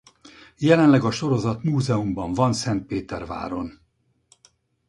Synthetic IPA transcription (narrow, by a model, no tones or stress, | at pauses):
jɛlɛnlɛɡɒʃo̞ɾo̞zɒt̪muːzɛumbɒɱvɒnsɛnt̪̚peːt̪ɛrva̰ːɾo̞n